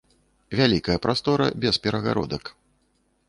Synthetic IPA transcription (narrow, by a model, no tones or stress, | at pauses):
vʲalʲikɐjɐpɾast̪ɔɾɐ̰bʲɛspʲɛɾɐɣa̰ɾɔ̰d̪ɐk